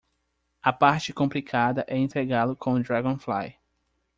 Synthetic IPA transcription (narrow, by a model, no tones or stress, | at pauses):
ɐpaɾt͡ʃɪkõmplikʰad̪ɐʔɛĩnt̪ɾeɡalʊkʰõd̪ɾaɡõfla̰j